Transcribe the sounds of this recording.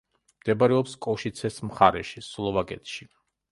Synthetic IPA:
md̪̥ɛbaɾɛɔpskʼɔʃit̪sʰɛsmχaɾɛʃislˠɔvaɡʼɛt̪ʃi

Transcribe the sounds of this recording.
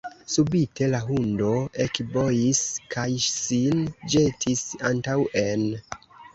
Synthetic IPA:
subitʰe̞laɦundo̞ʔekbo̞jiskʰajsind͡ʒe̞tʰisantawe̞n

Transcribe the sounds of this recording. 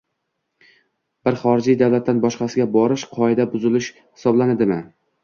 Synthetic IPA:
b̥ɪɾχɒɾɪd͡ʒijd̪avlat̪ːanbɒʃqɑsɪɡʲabɒɾɪʃqʰɒɪd̪abʊzɪlɪʃ | hɪ̥sɒblanɪd̪ɪmɪ

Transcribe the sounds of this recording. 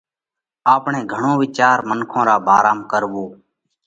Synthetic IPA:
aːpɳẽːɡʱəɳõːʋɪt͡ʃaːɾmənkʰõːɾaːbʱaːɾaːmkəɾʋoː

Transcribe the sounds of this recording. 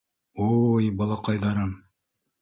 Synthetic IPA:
ojbɑlˠɑqɑjðɑɾɤn

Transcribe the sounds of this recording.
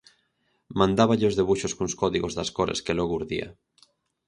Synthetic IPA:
mãnd̪aβaʎeozðeβ̞uʃoskũnskoðiɣozðaskoɾeskeloɣouɾðia̰

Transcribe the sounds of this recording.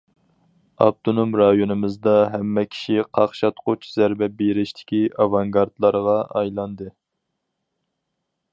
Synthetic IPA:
ɑ̰b̚t̪ʰonomɾɑjonɨmɨzd̪ɑɦɛmːɛkʲʰi̥ʃiqʰɑχʃɑt̪qʰot͡ʃʰz̥æɾbɛbeɾɪʃt̪ʰɪ̥kʲiʔɑvɑŋɡɑɾd̪lˠɑɾʁɑɑ̰jlˠɑnd̪ɨ

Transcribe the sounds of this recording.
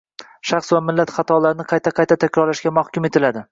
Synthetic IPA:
ʃɑχsvamɪlːat̪χɑt̪ʰɒlaɾɪnɪqʰɑjt̪ʰaqʰɑjt̪ʰat̪ʰakʲɾɒɾlaʃkʲamahkʲʊmet̪ʰɪlad̪ɪ

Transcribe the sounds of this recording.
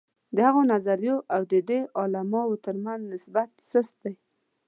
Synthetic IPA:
d̪əhaɣonazaɾjoʔawd̪əd̪eʔɑlamɑwot̪əɾmanznɪsbat̪səst̪aj

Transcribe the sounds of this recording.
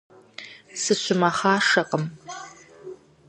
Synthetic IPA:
sɨɕʷʊmɐχaːʂɐqʼəm

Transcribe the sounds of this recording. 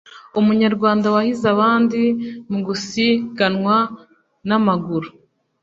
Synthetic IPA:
umuɲaɾɡwaːndawahizaβaːndimuɡusiɡanŋwa | namaɡuɾu

